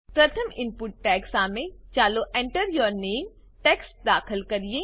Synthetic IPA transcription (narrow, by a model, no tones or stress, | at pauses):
pɾɐt̪ʰəmɪ̃mpʊʈːɛːksãːmet͡ɕaːloʔẽːɳʈəɾjoːɾneːm | ʈɛːksd̪aːxɪlkɐɾie